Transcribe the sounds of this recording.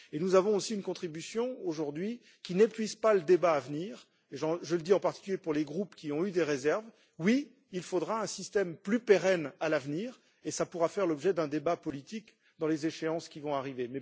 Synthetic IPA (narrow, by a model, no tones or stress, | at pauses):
enuzavɔ̃osiynkɔ̃t̪χibysjɔ̃oʒuʁd̪ɥi | kʲinepɥizpaləd̪ebaːvniːʁ | eʒɑ̃ʒələd̪iɑ̃paʁt̪i̥kʲyljepuʁleɡʁupkʲiɔ̃yd̪eʁezɛʁv | wi | ilfod̪ʁaɛ̃sist̪ɛmplypeʁɛnalavniːʁ | esapuʁafɛʁlɔbʒɛd̪ɛ̃d̪ebapɔlit̪ik | d̪ɑ̃lezeʃeɑ̃skʲivɔ̃aʁivemɛ